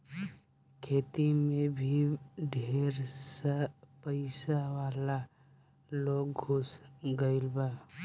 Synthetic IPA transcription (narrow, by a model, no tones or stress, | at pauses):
kʰeːt̪imẽbʱiɖʱeːɾsapəɪsawaːla | loːɡɡʱʊsɡəɪlbaː